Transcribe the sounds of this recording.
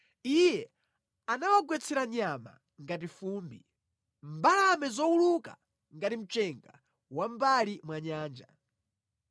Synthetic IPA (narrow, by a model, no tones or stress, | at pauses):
ijɛ | anawaɡwɛt͡sʰɛɾaɲama̰ | ŋɡat̬ifuːmbi | m̩balamɛzɔuluka̰ | ŋɡatim̩t͡ʃɛŋɡa | wam̩balimwaɲaːnd͡ʒa